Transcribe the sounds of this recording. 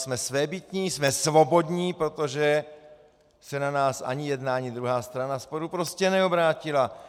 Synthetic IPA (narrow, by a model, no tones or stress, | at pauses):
smɛsvɛːbɪt̪ɲiːsmɛsvobo̞d̪ɲiːpɾot̪oʒɛ | sɛnanaːsʔa̰ɲɪjɛd̪naaɲɪd̪ɾuɦaːst̪ɾanaspoɾupɾoscɛnɛobɾaːcɪla